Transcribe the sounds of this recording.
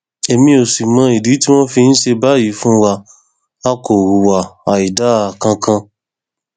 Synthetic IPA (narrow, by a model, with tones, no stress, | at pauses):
e˨˧mĩ˧˦o˨si˨mã˨˧˦i˨di˨˦ti˦w̃ɔ̃˦fi˧ñ̩˦ʃe˧ba˦ji˨˦fũ˦wa˧ | a˦ko˨wu˨wa˨a˨i˨da˨˦˨kã˧kʰã˧